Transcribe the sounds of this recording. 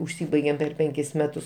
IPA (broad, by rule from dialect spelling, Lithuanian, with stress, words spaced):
ʊʃʲˈsʲiːbɐɪɡʲeːm pʲɛr ˈpʲɛŋʲkʲɪs ˈmʲæːtʊs